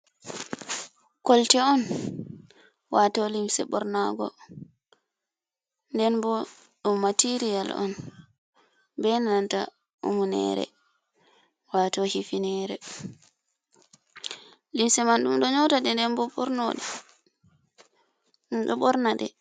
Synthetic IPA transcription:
kɔltɛɔn | watɔlimsɛ̰ɓɔɾnaɡɔ̰ | ndɛnbɔ | ɗɔmatiɾijalɔ̰n | bɛnananta | ṵmunɛ̰ɾɛ̰ | waːtɔhifinɛɾɛ | limsɛmanɗumɗɔɲɔtaɗɛndɛnbɔbɔɾnɔɗɛ | ɗumɗɔɓɔɾnaɗɛ̰

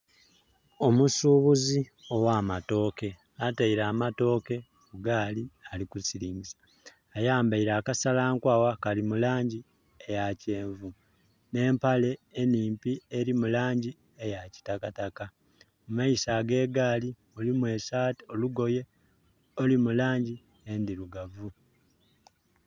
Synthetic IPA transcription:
o̞musuːβuzio̞waːmato̞ːke̞ | ataiɾaːmato̞ːke̞ | kuɡaːlialikusiɾiːɲɡisḁː | jaːmbaiɾaːkasalaːŋkwaːwakalimulaːɲɟi | ejace̞ːɱvu | ne̞ːmpale̞ːniːmpieɾimulaːɲɟi | ejaci̥takataka | mumaisaːɡe̞ːɡaːli | olimwe̞saːtoluɡo̞je̞ | olimulaːɲɟi | endiɾuɡavu

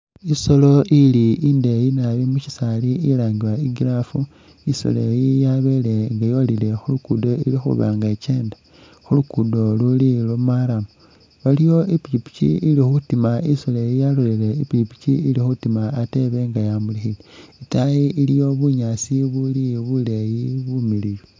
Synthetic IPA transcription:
iso̞lo̞ʔiliindejinajβimucisaliilaːŋɡiwaiɡiɾafu | iso̰lejijaβe̞le̞ŋɡajo̞lile̞xulukudo̞ilixṵβa̰ːŋɡat͡ʃe̞ːnda | xulukudo̞lulilumaɾamu | βalijo̞ipiipi̥cḭilixutimaisolejijaloliɾeipilipi̥t͡ʃiilixutimaːte̞βe̞ŋɡajamulixileitajiilijo̞βuɲasiβuliβulejiβumilijo

